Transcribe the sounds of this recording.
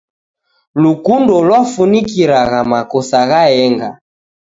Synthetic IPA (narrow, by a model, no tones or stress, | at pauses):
lukundɔlwafunikiɾaɣamakɔsaɣaɛŋɡa